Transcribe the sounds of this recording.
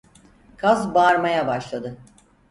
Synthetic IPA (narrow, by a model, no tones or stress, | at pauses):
kʰazbaːɾmajabaʃlˠad̪ɯ